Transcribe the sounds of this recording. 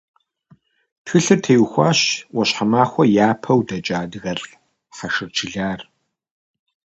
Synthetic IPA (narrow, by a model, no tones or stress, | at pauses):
txɨɬɨrtʰɐjuxʷaːɕwɔɕħamaːxʷɔjaːpʰɐwdɐt͡ʃʼaːdɨɣɐr | ħɐʂɨrt͡ʃʰɪɮaːr